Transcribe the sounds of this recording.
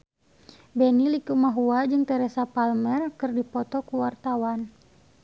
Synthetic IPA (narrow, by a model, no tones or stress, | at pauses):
bɛnilikumaɦuad͡ʒɨŋt̪ɛɾɛsapalmɛrkɨrdipɔt̪ɔkuwart̪awan